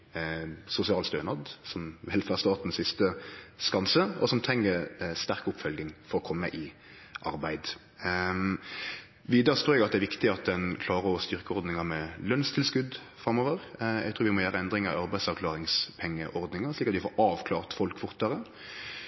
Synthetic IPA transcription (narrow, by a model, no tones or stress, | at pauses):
sʊsɪɑːlst̪øːnɑd̪sɔmʋɪlfæst̪ɑːt̪n̩sɪst̪əskɑnsəɔsɔmt̪ʰɾɛŋːəɾst̪æɾkʊpfœlɡnɪŋfɔɾɔkʰɔmːəʔɪ | ʔɑ̰ɾbæɪd̪ | ʋiːd̪əɾəst̪ʰuːɾjɛɡɑt̪d̪ɛæɾʋɪkt̪ɪɑt̪̚d̪ɛnkʰlɑːɾəɔst̪ʏʁkəɔɾd̪nɪŋɑmɛlœnst̪ʰɪlskʉd̪ | fɾɑmoːʋəʁɛ̰ɡt̪ʰɾuːɾʋɪmɔjæːɾəɛnd̪ɾɪŋɑ̰ɑɾbæɪsɑʁkʰlɑːɾɪŋspʰɛŋːəʔɔɾd̪nɪŋəʂɭliːkːɑt̪d̪ɪfɔ̰ːɾɑːʋkʰlɑːʁt̪fɔlkfʊɾt̪əɾə